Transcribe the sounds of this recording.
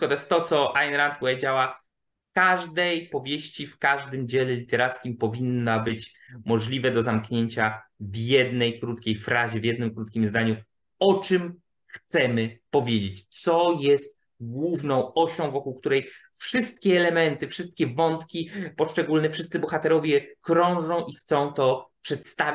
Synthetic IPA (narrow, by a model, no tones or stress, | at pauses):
kɔt̪ɔjɛst̪ːɔt̪sɔajnɾant̪̚pɔvʲed͡ʑawa | fkaʐd̪ɛjpɔvʲjeɕt͡ɕifkaʐd̪ɘmd͡ʑelɛlʲit̪ɛɾat̪skʲimpɔvʲinːabɘt͡ɕ | mɔʐlʲivɛd̪ɔzamkɲeɲt͡ɕavjɛd̪nɛjkɾut̪kʲejfɾaʑɛvjɛd̪nɘmkɾut̪kʲimzd̪aɲu | ɔt͡ʂɘm | xt̪sɛmɘpɔvʲjed͡ʑet͡ɕt̪sɔjɛst̪ | ɡwuvnɔ̃w̃ɔɕɔ̃w̃vɔkuwkt̪uɾɛj | fʂɘst̪̚kʲɛːlɛmɛnt̪ɘfʂɘst̪̚kʲɛvɔnt̪kʲipɔʂt͡ʂɛɡulnɛfʂɘst̪sɘbɔxat̪ɛɾɔvʲjɛkɾɔ̃w̃ʐɔ̃w̃ʔixt̪sɔ̃w̃t̪ɔpʂɛt̪st̪av